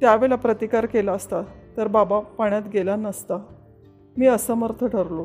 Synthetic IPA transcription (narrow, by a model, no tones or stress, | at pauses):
t̪jaʋeɭapɾət̪ikaɾkelaəst̪at̪əɾbabapaɳjat̪ɡelanəst̪a | miːəsəməɾt̪ʰəʈʰəɾlo